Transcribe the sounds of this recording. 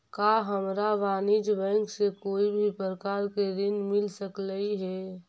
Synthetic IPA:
kaɦəmɾaʋaːnid͡ʒʋɛ̃ŋksekoːibʱipɾəkaːɾkeɾɪnmɪlsəkləiɦɛ

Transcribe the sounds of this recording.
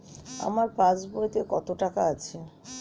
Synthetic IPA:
a̰maɾpãt͡ɕbojt̪ekɔt̪oʈakaat͡ɕʰe

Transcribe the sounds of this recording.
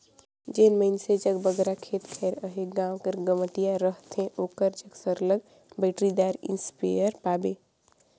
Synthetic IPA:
d͡ʒeːnməɪnsed͡ʒəɡbəɡɾakʰeːt̪kʰɛːɾəɦeɡãːwkəɾɡəməʈijaɾəɦt̪ʰẽʔoːkəɾd͡ʒəɡsəɾləɡ̚ | bɛɪʈɾid̪aːɾɪ̰̃nspa̰jəɾpaːbeː

